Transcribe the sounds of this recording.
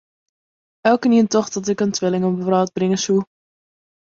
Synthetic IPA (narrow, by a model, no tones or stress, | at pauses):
ɛlˠkəniəntɔχdɑt̬ɪkəntʋɪlɪŋɔməvɾɑːt̚brɪŋəsu